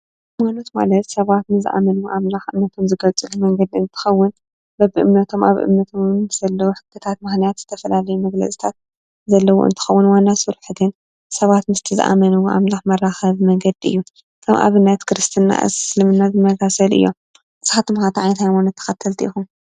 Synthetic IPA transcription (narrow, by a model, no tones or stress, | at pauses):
amano̞t̪ma̰lɐt̪sɐβat̪nɨzɨʔa̰mɐnuʔamlaxʔɨmnɐt̪ʰo̞mzɨɡɐlt͡sʼɨlumɐŋɡɐd̪iɨnt̪ʰɨ̥xɐwːʊn | bɐbɨʔɨ̰mnɐt̪ʰo̞mʔa̰βʔɨ̰mnɐt̪ʰo̞mzɐlːɐwuħɨ̥k̪ʰːɨt̪ʰat̪mɨxnijat̪z̥ɨt̪ʰɐfɐlalɐjumɐɡlɐ̰t͡sʼi̥t̪ʰat̪̚ | zɐlːɐwo̰ɨ̰nt̪ʰɨ̥xɐwːʊnwanːasɨɾħɨd̪ɨn | sɐβat̪mɨst̪ʰɨzɨ̰ʔa̰mɐnuwʔa̰mlaxmɐrːaxɐβmɐŋɡɐd̪iɨ̰jːu | kʰɐmʔa̰βɨnːɐt̪kʰɨɾɨst̪ʰɨnːa̰ɨ̰zslɨmɨnːazɨmɐsasɐlʔɨ̰jːo̞̰m | ʔɨsxat̪ʰɨmxat̪ʰʕajnɐt̪hajmanot̪ʰːɐ̥xɐt̪ʰːɐlt̪ʰiʔḭxum